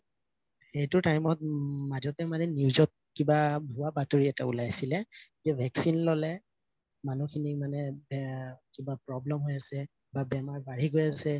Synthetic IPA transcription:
xejtʊtajmɔt̚mazɔtɛmanɛniwzɔt̚kibabʱʊwabatoɹiɛtaṵlajasilɛd͡ʒɛbʱɛksinlɔlɛ | manukʰinimanɛbkibapɹɔblɛmɦojasɛ | babɛmaɹbaɹiɡojasɛ

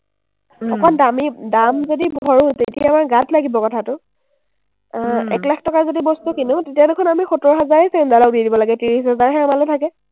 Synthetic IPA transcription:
xɔkɔndamidamzodibʱɔɹutetijaːmaɹɡatlaɡibɔkɔtʰatʊ | ɛ̰klakʰtɔkazodibɔstukinʊtetiadekʰɔnamixutɔɹɔɦazaɹesɛndalɔk̚didibɔlaɡɛtiɹisɛzaɹɦɛamalotʰakɛ

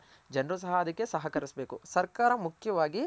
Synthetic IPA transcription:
d͡ʒɐnɾusɐɦɐːd̪ɐkːesɐɦɐkɐɾisbe̞ːkusɐɾkaːɾɐmukʰjɐʋaːɡi

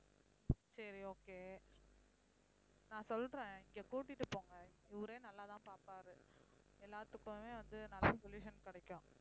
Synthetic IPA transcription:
sɐɾioːkeː | nãːsɔlɾẽːɪŋɡeːkuːʈ̬ːɪʈːɯpoːŋɡɐɪʋʊɾeːnɐlːaːt̪ãːpaːpaːɾɯ | ɛlːaːɾt̪ɯkːʊ̃meːʋɐnd̪ɯnɐlːasɔljuːʂɐnkɪɽɐkːʊ̃

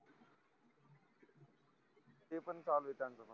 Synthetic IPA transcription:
eːpənsaːlʋeːt̪aːnsəmə

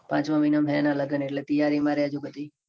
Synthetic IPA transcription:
pãːt͡ʃmãʋinamʱɦɛnaləɡəneʈlet̪əjaɾimaɾead͡ʒuɡʱət̪i

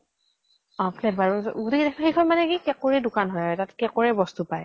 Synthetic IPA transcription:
ɔ̃plɛbaɹuɡutekidɛkʰaxejkʰɔnmanɛkikɛkoɹɛdʊkanɦɔjaɹɛtatkɛkoɹɛbɔstupaj

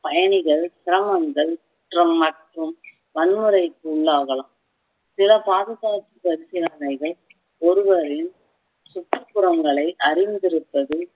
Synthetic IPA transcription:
pɐjɐɳɪɣɐɭsɪɾɐmɐŋɡɐɭkʊʈrɐmːɐʈrɯm | ʋɐnmɯɾɐɪkːɯʊɭːaːɣɐɭaː | sɪlɐpaːðɯɣaːt͡ʃːipɐɾɪsɐjaːnɐɪɣɐɭ | ɔɾɯʋɐɾɪn | sʊʈːɯpːʊɾɐŋɡɐɭɐɪʔɐɾɪnd̪ɪɾɯpːɐðɯ

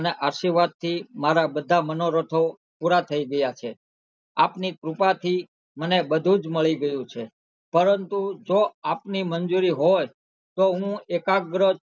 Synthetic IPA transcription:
əneʔaʃiɾʋad̪̚t̪ʰːimaɾabəd̪ʱamənoɾət̪ʰo | puɾat̪ʰəiɡəjat͡ʃʰe | apnikɾupat̪ʰi | mənebəd̪ʱũd͡ʒməɭiɡəjũt͡ʃʰe | pəɾənt̪ud͡ʒoapnimənd͡ʒuɾiɦoj | t̪oɦũekaɡɾə

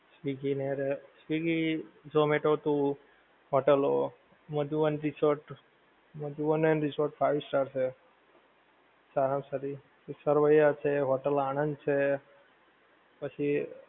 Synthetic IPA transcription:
sʋiɡineɾesʋiɡid͡ʒomeʈot̪ũ | ɦoʈəlo | məd̪ʱuʋənɾisoɾʈ | məd̪ʱuʋənenɾisoɾʈfʰaʋisʈaɾt͡ʃʰe | saɾamsəɾi | səɾʋəjat͡ʃʰeɦoʈəlañənd̪̚t͡ʃʰe | pət͡ʃʰi

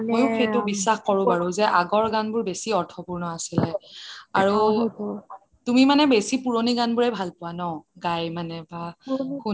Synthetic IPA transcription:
mojʊxejtʊbisːaxkɔɹʊ̃baɹʊ̃zɛʔaɡɔɹɡanbʊɹbesiɔɹtʰɔpuɹnɔasilɛaɹu | tumimanɛbesipuɹoniɡanbʊɹɛbʱalpʊwanɔɡajmanɛbaku

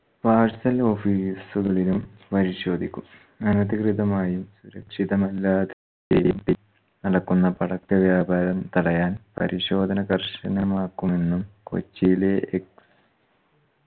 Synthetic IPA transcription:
paːrsɐlo̞ːfiːsuɣɐɭilumpɐɾiɕo̞ːd̪ʱikʲːum | ɐnɐðikriðɐmaːjumsuɾɐkʂiðɐmɐlːaːðe | t͡ɕḛjumpi | nɐɽɐkːunːɐpɐɽɐkt̪ɐʋjaːbʱaːɾɐmt̪ɐɽɐjaːnpɐ̰ɾiɕo̞ːd̪ʱɐnɐɡɐrʂɐnɐmaːkːume̞nːumko̰t͡ɕːileʔeks

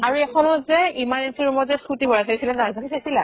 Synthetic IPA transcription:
aɹuɛkʰɔnɔzɛimanensiɹumɔzɛsutibɔɹatʰaɹisilɛdazasisʰasila

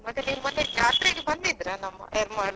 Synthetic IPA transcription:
mɐt̪ːeniːʋumɐnːekaːʈɾeɡebɐnd̪id̪ɾanɐmːɐ̰eːɾmaːɽ

